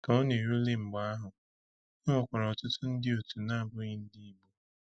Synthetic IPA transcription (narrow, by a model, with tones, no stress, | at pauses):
ka˨o˦ne˨ɾu˦lɪ˦m̩˨ɡ͡ba˨a˦ɦʊ˨ | e˦ŋʷʊ˨kʷa˨ɾɔ˨tʊ˦tʊ˦n̩˦dɪ˦o˨tu˨na˦a˦˨bʊ˦ɣɪ˦n̩˦dɪ˦i˦bo˦